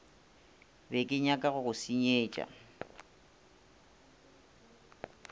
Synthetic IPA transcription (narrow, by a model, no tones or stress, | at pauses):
bekʼɪɲakʼaɣʊɣʊsiɲeːt͡ʃʼa̰